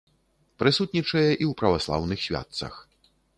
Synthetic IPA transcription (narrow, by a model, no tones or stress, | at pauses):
pɾɨsut̪ʲnʲit͡ʂɐjɛʔiwpɾɐvaslˠa̰wnɨxsʲvʲa̰t̪sɐ̰x